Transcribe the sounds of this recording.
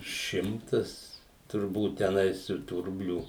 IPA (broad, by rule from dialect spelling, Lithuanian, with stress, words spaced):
ˈʃʲɪmtɐs tʊrˈbuːt tʲɛˈnɐɪs ɪr tuː ˈrʊbʲlʲuː